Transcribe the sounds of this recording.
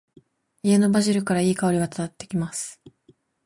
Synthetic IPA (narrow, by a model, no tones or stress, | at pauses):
ie̞no̞baʑiɾɯ̟kaɾaiːkao̞ɾʲiβat̪ḁt̪at̪ːe̞kʲimasɨ̥